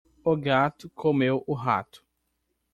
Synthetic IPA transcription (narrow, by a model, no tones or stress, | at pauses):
oɡat̪ʊkʰomewʊɦa̰t̪ʊ̥